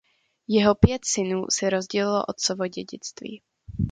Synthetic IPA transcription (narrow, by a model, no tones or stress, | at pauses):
jɛɦopjɛt̪sɪnuːsɛɾozɟɛlɪlo̰ʔot̪sovoɟɛɟɪt͡st̪vḭː